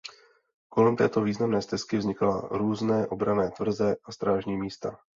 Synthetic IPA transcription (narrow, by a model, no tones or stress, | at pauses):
ko̞lɛmt̪ɛ̰ːt̪o̞viːznamnɛːst̪ɛskɪvzɲɪkla̰ɾuːznɛːʔo̞bɾanɛːt̪vr̩zɛʔast̪ɾaːʒɲiːmiːst̪a